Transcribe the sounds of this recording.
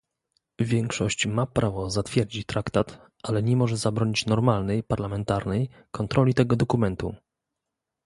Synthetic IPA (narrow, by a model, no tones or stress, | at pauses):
vʲjɛŋkʂɔɕt͡ɕmapɾʔavɔzat̪fʲjɛɾd͡ʑit̪ɾakt̪at̪ | ʔalɛɲɛmɔʐɛzabɾɔɲit͡ɕnɔɾmalnɛjpaɾlamɛnt̪aɾnɛj | kɔnt̪ɾɔlʲit̪ɛɡɔd̪ɔkumɛnt̪ṵ